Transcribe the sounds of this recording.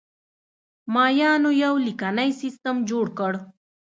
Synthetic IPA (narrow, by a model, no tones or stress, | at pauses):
mɑːjɑːnojawlikanajsist̪əmd͡ʒoːɽkəɽ